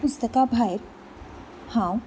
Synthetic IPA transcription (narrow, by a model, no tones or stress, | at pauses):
pʊst̪əkabʱaɪɾ | hã